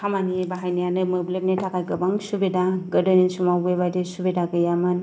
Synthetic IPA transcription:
hamanibaɦajnijanəməblebnetakaɡəbaŋʃubedaɡədəninsumawebadesubedaɡəjaman

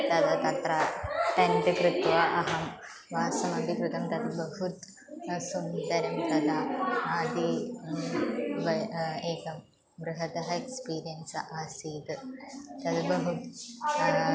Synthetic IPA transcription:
t̪ɐd̪ɐt̪ɐt̪ɾaːʈɐɳɖɨkɾit̪ʋɐʔɐɦɐm | ʋaːsɐmɐd̪ʱikɾut̪ɐmt̪ɐd̪bɐɦut̪ | sund̪ɐɾɐmt̪ɐd̪aaːd̪i | ʋɐeːkɐm | bɾɨɦɐt̪ɐɦɐekspiːɾijɐnsɐʔaːsiːd̪ɨt̪ɐd̪bɐɦut̪

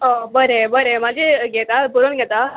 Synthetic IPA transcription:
obəɾebəɾemad͡ʑʱeɡɛt̪apuɾonɡʱɛt̪a

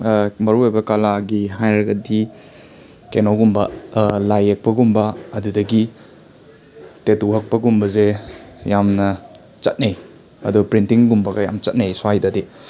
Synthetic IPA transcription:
mɐɾuajbɐkalaɡiɦajɾɐɡɐdi | kenoɡumbɐlajek̚pɐɡumbɐːdudɐɡi | tetuɦɐk̚pɐɡumbɐzejamnɐ | t͡ʃɐt̚nej | ɐ̰dupɾintiŋɡumbɐɡɐja̰mt͡ʃɐt̚najswajdadi

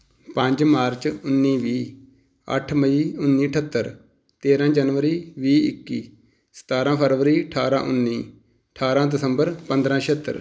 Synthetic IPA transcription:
pə̃ɲd͡ʒmaːɾt͡ʃʊnːiːʋiː | ə̰ʈʰməiːʊnːiːəʈʰət̪ːəɾ | t̪eːɾãːd͡ʒənʋəɾiːʋiːɪ̰kːiː | sə̥t̪aːɾãːpʰəɾʋəɾiːəʈʰaːɾã̰ːʔʊnːiː | əʈʰaːɾãːd̪ɪsəmbəɾpə̃nd̪ɾãːʃət̪ːə̰ɾ

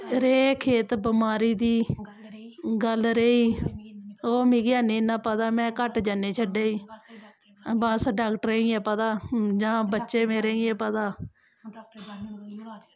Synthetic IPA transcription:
ɾeːkʰeːt̪bəmaːɾiːd̪iː | ɡəlɾeːiː | oːmĩːɡɪaːnẽːnãːpət̪aːmɛ̃ːkəʈd͡ʒaːneːt͡ʃʰəɖeːiː | bəsɖaːkʈəɾeĩːɛ̃ːpət̪aːd͡ʒãːbətːʃeːmeːɾeːiẽːpət̪aː

